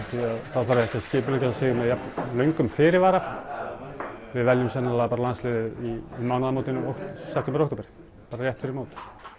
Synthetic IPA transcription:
θiaðθaðfaɾɛhkcascɪːp̬ʏlecasaseːɣʏmɛðjapnlœɥŋkʏmfɪːɾɪvaːɾa | vɪðvɛljʏmsɛnːalaɣpaːɾalanslɛːðɪðimaːwnaðmoːwt̪ɪnowhtsɛft̪ʰɛmbɾohk̪t̪oːpɪɾɪ̥ | paːɾaɾjɛht̪fɪɾɪmaːt̪

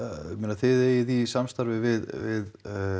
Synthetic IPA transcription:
menaθɪðɛjɪðisamst̪aɾvɪvɪðvɪð

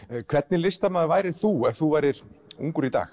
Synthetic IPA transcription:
kʰv̥ɛt̪nɪlɪst̪amaðvaːjɾɪ̥θuɛvθuvaːjɾɪɾ̥ṵŋkʏɾit̪a̰ːx

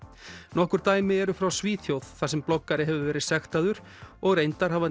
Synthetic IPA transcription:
nɔhkʏɾ̥t̪aːjmɪɛɾʏfɾawsviːθjowðθasɛmplɔkːaɾɪɦɛvʏvɛːɾɪsɛxt̪aðʏɾ̥ | ɔɣɾejnt̪aɾ̥ɦava

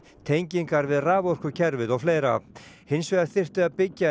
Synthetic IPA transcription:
t̪ʰejɲciŋkaɾvɪðraːvɔr̥kʏcʰɛɾvɪðɔɣfleːjɾahɪnsveɣaɾθɪr̥t̪ɪaðpɪcːa

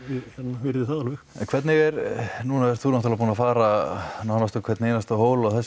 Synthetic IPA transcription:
ɪhɛt̪navɪɾðɪθaðalvɪxɛ̰nkʰvɛɾt̪nɪɣɛɾnuːnaɛɾt̪θuːnɔt̪ɪlapuːnafaːɾanawnast̪ʏkʰvɛɾt̪neːjnast̪ahoːwlaɣθɛs

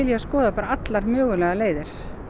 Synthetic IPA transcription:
ɪljɛaskɔːðapaːɾaat̪laɾmœːɣʏlɛɣaleːjðɪɾ̥

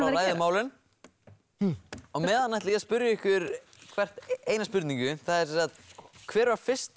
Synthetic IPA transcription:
alaːjðɪmaːwlɪn | ɔɣmɛːðanːajht̪liaspʏɾjaɪhkvɪɾ | kʰvɛr̥t̪eːjnaspʏɾt̪niŋcʏθaðɛɾsɛ̃msat̪kʰvɛːɾvaɾ̥fɪr̥st̪

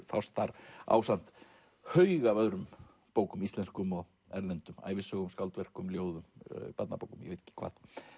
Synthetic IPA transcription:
fawst̪θaɾa̰ːwsan̥t̪ | hœɥɣavœɣɾʏm | poːwkʏmist̪lɛnskʏmɔ | ɛɾlɛnt̪ʏma̰ːjvɪsœɣʏmskaw̪lt̪vɛr̥kʏmljoːwðʏmpat̪napowkʏmjɛ̰ejt̪ʰɛ̥cːɪ̥kʰva̰ːθ

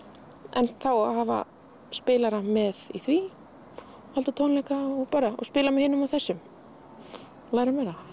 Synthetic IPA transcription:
ɛ̰nθawahaːva̰ | spɪːlaɾamɛðḭθvi | halt̪at̪ʰownlɛkaɔɣpaːɾaɔ̰spɪːlamɛhɪːnːʏmawθɛsːʏm | laːjɾamɛːɾa

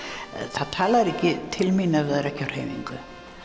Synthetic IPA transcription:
θaðt̪ʰaːlaɾɛhcɪt̪ʰɪlminavɛðaɾɛhcar̥heːjniŋkʏ

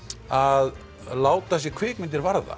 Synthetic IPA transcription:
að | laːwt̪as̬jɛkʰvɪːkmɪnt̪ɪɾvaɾða̰

